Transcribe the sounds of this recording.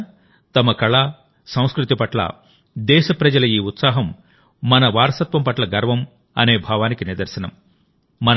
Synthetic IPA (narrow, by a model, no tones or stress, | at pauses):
t̪ɐmɐkɐɭɐ | sɐ̃w̃skɾut̪ipɐʈlɐ̰ | d̪ɛːʃɐpɾɐd͡ʒɐlɐiːut̪saːɦɐmː | ɐnɐʋaːɾɐsɐt̪ʋɐmpɐʈlɐɡɐɾʋɐm | ɐne̞ːbʱaːʋaːnikiniɾd̪ɐɾsɐnɐmː | ɐn